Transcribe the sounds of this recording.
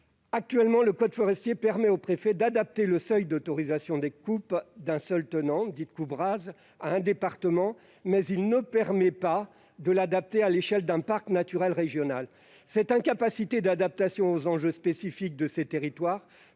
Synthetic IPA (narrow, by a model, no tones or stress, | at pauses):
ak̚t̪ɥɛlmɑ̃ləkɔd̪fɔʁɛst̪jepɛʁmɛopχefɛd̪ad̪ap̚t̪eləsœjd̪ot̪ɔʁizasjɔ̃d̪ekupd̪ɛ̃sœlt̪ənɑ̃d̪it̪̚kubʁaz | aɛ̃d̪epaʁt̪əmɑ̃ | mɛzilnəpɛʁmɛpa | d̪əlad̪ap̚t̪ealeʃɛld̪ɛ̃paʁknat̪yʁɛlʁeʒjɔnal | sɛt̪ɛ̃kapasit̪ed̪ad̪ap̚t̪asjɔ̃ozɑ̃ʒøspesifik̚d̪əset̪eʁit̪waːʁ